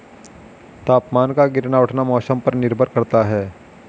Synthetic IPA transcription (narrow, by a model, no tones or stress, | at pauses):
t̪aːpmaːnkaɡɪɾnaʊʈʰnamɔːsəmpəɾnɪɾbʱəɾkɐɾt̪aɦɛː